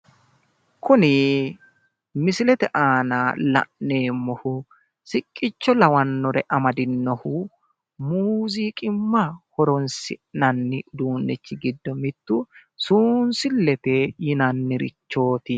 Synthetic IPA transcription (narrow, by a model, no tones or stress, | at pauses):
kʊnɪ | mɪsɪlɛt̪ɛʔaːnalɐ̰ʔne̞ːmːɔhʊ | sɪkʼːɪt͡ʃːɔlɐwɐnːɔɾɛ̰ʔɐmɐd̪ɪnːɔhʊ | muːziːkʼɪmːɐhɔɾɔnsɪnɐnːɪd̪uːnːɪt͡ʃːɪɡɪd̪ːɔmɪt̪ːʊsuːnsɪlːɛt̪ɛjɪnɐnːɪɾɪ̰t͡ʃːo̞ːt̪ɪ